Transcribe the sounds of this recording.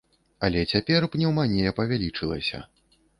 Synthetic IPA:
ɐlʲɛt͡sʲapʲɛrpnʲɛwmanʲejɐpɐvʲalʲit͡ʂɨlˠɐ̰sʲɐ̰

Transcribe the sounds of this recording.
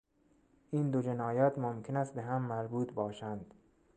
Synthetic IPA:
ʔiːnd̪od͡ʒenɒːjæt̪momkʰenæst̪beɦæmːæɾbuːt̪bɒːʃænd̪̥

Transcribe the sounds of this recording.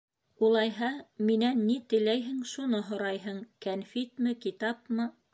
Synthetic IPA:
ulˠɑjɦɑminænːit̪ɘ̆læjɦɘŋʃunɤɦŏɾɑjɦɤŋkænfit̪mɘkit̪ɑpmɤ

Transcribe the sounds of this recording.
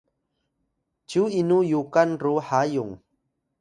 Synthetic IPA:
d͡ʒuinujukanruhajʊŋ

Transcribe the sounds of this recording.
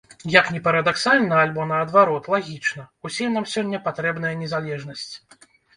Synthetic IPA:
jɐknʲɛpɐɾɐd̪aksalʲnɐalʲbɔnɐːd̪vaɾɔt̪lˠaɣʲit͡ʂnɐusʲɛnamsʲɔnʲːɐpat̪ɾɛbnɐjɐnʲɛzalʲɛʐnɐsʲt͡sʲ

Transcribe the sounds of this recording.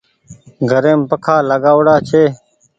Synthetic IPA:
ɡʱəɾeːmpəkʰaːlaɡaːwɽaːt͡ɕʰeː

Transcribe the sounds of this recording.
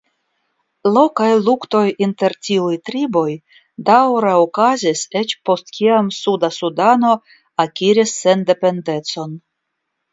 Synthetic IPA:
lo̞kajlukto̞jinte̞ɾtʲiujtɾibo̞j | dawɾaokazise̞t͡ʃpo̞stkʲʰiamsudasudano̞ | akʲiɾisːe̞nde̞pe̞nde̞t͡so̞n

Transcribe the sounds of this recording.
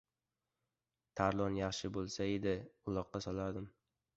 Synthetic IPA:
t̪ʰaɾlˠɒnjɑχʃɪbolˠsaed̪ɪʊlˠɒqːɑsɒlˠaɾd̪ɪm

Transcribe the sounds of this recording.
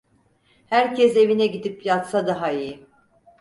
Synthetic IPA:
hæɾcʰɛse̞vinɛɟid̪ipjat̪sad̪aɦaiji

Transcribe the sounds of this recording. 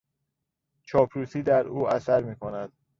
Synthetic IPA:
t͡ʃʰɒːpʰɾuːsiːd̪æɾuːæsæɾmiːkʰonæd̪̥̚

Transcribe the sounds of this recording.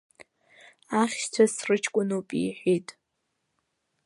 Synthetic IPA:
aχʲʃtʷʰasrɨt͡ʃʰkʷʼʊnupʼḭħʷᶣitʼ

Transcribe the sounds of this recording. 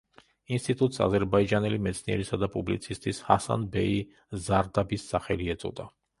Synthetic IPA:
inst̪ʼit̪ʼut̪ʼsa̰zɛɾbaid͡ʒanɛlimɛt̪sʰniɛ̰ɾisad̪apʼublit̪sʰist̪ʼishasa̰nbɛi | zaɾd̪abisːaχɛliɛt̪sʼɔ̰d̪a

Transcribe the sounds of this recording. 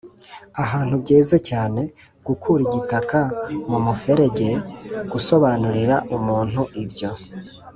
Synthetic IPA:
aɦaːn̥hubɟeːzacaːne̞ | ɡ̥ukʰuɾiɟitakamumufe̞ɾe̞ɟe̞ɡ̥uso̞βanuɾiɾaʔumuːn̥huʔibɟo̞

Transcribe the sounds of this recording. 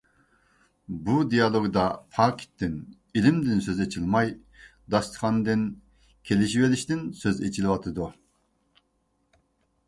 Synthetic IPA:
bud̪ijɑlˠoɡd̪ɑpʰɑːkʲʰi̥t̪ʰːɪn | ilɪmd̪ɪnsøzet͡ʃʰilˠmɑj | d̪ɑst̪χɑnd̪ɪn | kʲʰelɪʃiveliʃt̪ɪnsøzet͡ʃʰilɪwɑt̪ʰɨd̪u

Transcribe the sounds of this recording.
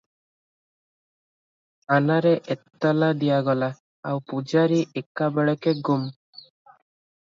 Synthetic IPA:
anaɾeʔet̪ːɔlad̪ijaɡɔla | a̰wpud͡ʒaɾiʔekabɛɭɔkeɡum

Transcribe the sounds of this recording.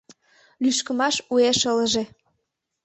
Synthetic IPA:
lyʃkə̆mɑʃueʃələʒe

